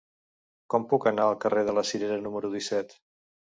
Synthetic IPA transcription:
kɔmpukənaəlˠkəreð̞ələsiɾeɾənuməɾuðisɛt̪

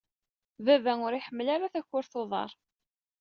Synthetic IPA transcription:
vævæŋʊɾiħəmːəlaɾaθæçːʊɾθoðˤɑ̰ɾˤ

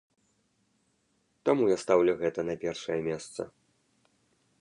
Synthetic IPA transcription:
t̪amujast̪awlʲɛɣɛt̪ɐnɐpʲɛrʂɐjɐmʲɛst̪sɐ̰

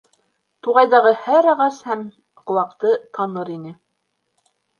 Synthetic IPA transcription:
t̪uʁɑjðɑʁɤhæɾɑʁɑshæm | qɤ̆wɑq̚t̪ɤt̪ɑnɤɾinɘ

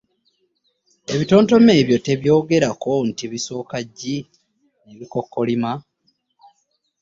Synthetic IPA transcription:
e̞βito̞ːnto̞me̞ːβjo̞te̞βjo̞ːɡe̞ɾako̞ntiβiso̞ːkaɟːi | neβiko̞kːo̞lima

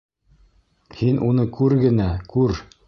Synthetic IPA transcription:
hinʔunɤkʉɾɡɘ̆nækʉɾ

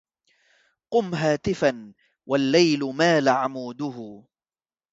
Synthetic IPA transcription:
qʊmɦaːt̪ɪfan | walːajlʊmaːlaʕamuːd̪ʊɦʊ

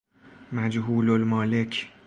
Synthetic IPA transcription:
mæd͡ʒɦuːlolmɒːlecʰ

